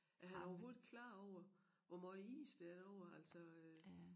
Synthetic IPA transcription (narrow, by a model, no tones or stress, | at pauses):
ʔæɦhænæɐɒʊɦo̝ːðˠi̥kʰlɑ̰̈ːɒʊ̰ɐ | ʋɒmɑḭːsd̥eæɐd̥ɒʊ̰ɐæl̰sɒ̽ø